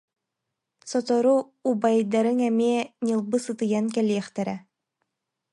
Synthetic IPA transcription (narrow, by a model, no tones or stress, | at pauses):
sɔt̪ɔɾu | ubajd̪aɾɯŋɛmiɛɲɯlˠbɯsɯt̪ɯjankɛlʲiɛχt̪ɛɾɛ